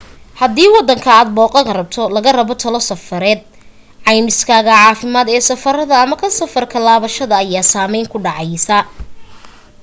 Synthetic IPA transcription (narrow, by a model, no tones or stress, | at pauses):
hɐd̪iːwɑd̪ːɐŋkʰɐaːd̪̚bɔːqʼɐɣɐrɐb̚t̪ʰɔlɐɣɐrɐβɔt̪ʰɐlɔsɐfɐɾɛːd̪̚ | ʕɑjmɪskʰaːɣɐʕɑːfɪmaːd̪ɛːsɐfɐrɐðɐːmɐkʰɐsɐfɐrkʰɐlaːβɐʃɐðɐːjaːsaːmɛjŋkʰʊɖɑʕɑjsɐ